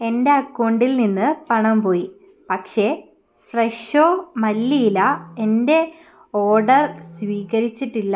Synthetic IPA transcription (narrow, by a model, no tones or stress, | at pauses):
e̞nde̞ɐkːoɳɖilninːɨpɐɳɐmpo̞ːji | pɐkʂe̞ | freʂoːmɐlːijilɐe̞nde̞ | o̞ːɖɐrsʋiːɣɐɾit͡ɕːiʈːilːɐ